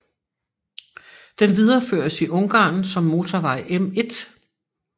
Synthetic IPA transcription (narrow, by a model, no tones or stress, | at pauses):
d̥enʋið̞ˠɐfø̰ɐsiʔɔ̽ŋɡ̥ɑ̰̈ːnsɒ̽mːo̝ːt͡sʰɒʋɑ̈ɪʔeme̝d̥